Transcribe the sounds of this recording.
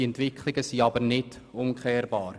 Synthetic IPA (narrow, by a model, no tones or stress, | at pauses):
iɛntʋɪkʰlɪɡəsiɑbəɾnɪd | ʊmkʰχɛːɾbɑːr